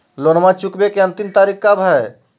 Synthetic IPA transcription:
lonmãt͡ʃukbekeə̃nt̪imt̪aːɾikabʱəe

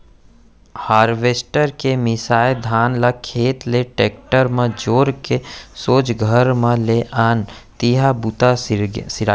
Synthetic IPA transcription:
haːɾʋeːsʈəɾkemɪsaːed̪ʱaːnlakʰeːt̪leʈeːk̚ʈəɾmə̃d͡ʒoːɾkesoːt͡ʃɡʱəɾmẽleʔaːnt̪iɦabut̪asɪɾa

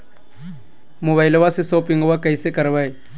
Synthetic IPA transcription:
moːbaːɪloʋasesoːpɪ̃ŋɡoʋakəisekəɾʋae

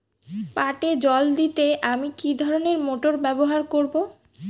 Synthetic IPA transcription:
paʈed͡ʑɔld̪it̪eʔamikid̪ʱɔɾoneɾmoʈoɾbɛboɦaɾkoɾbo

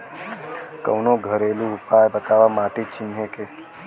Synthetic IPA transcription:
kə̰wnõɡʱəɾelũupajbət̪aʋamaʈet͡ʃɪnjeke

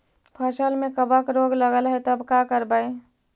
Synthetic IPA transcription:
pʰəsəlmekəbəkɾoɡləɡəlɦɛt̪əbkakəɾbəj

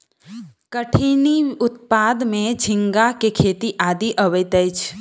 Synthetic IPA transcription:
kəʈʰiːniʊt̪̚paːd̪mẽd͡ʒʱɪ̃ŋɡakekʰeːt̪iʔaːd̪iʔəʋəjt̪əjt͡ʃʰ

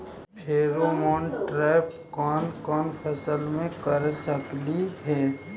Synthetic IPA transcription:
heːɾomɔːnʈɾɛːp | kɔːnkɔːnpʰəsəlmẽkəɾsəkliɦɛː

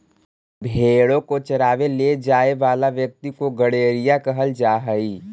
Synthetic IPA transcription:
bʱeːɽõkot͡ʃəɾaːʋeled͡ʒaːeʋaːlaʋjək̚t̪ikoɡəɽeːɾijakəɦəld͡ʒaːɦəiː

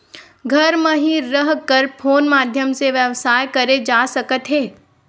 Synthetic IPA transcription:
ɡʱɐɾmɐ̃ɦĩːɐɦkɐɾpʰoːnmaːd̪ʱjəmseʋjɐʋsaːjkɐɾed͡ʒaːsɐkət̪ɦeː

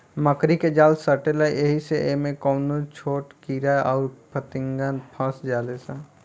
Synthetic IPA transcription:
məkɾiked͡ʒaːlsəɾʈelajeɦiseʔemẽkɔːnõt͡ʃʰoːʈkiːɾaɔːɾpʰət̪ɪ̃ŋɡaːnpʰə̃sd͡ʒaːlesãː

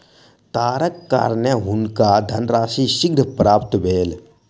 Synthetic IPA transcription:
t̪aːɾəkːa̰ːɾnəɦunkad̪ʱɐnɾaːʃiːʃɪɡɾəpɾaːpt̪beːl

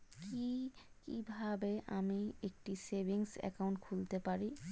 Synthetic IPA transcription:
ki | kibʱabeʔamiek̚ʈisebʱiŋsɛ̰kawɳʈkʰult̪epaɾi

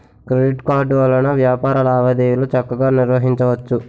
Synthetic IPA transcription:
kɾeɖiʈkaːɖuʋɐlɐnɐʋjaːpaːɾɐlɐaːʋɐd̪eːjulot͡ʃɐkːɐɡaːniɾʋɐɦiɲt͡ʃɐʋɐt͡ʃːu

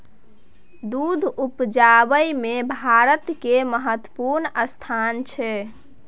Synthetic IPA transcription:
d̪ud̪ʱupd͡ʒabəjmebʱaɾət̪keməɦət̪ːəpuɾnəst̪ʰant͡ʃʰɛ

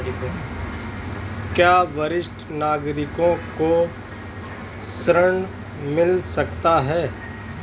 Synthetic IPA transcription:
kjaːʋɐɾɪʃʈʰnaːɡɾɪkõko | sɾəɳ̃ | mɪlsɐkt̪aɦɛː

